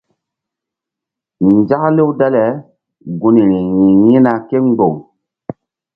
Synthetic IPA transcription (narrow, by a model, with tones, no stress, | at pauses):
n˨d͡ʒa˦kle˦wda˦lɛ˨˦ | ɡu˨ni˨ɾi˨jĩ˨jĩ˦na˨ke˦ŋ˦ɡ͡bo˨ŋ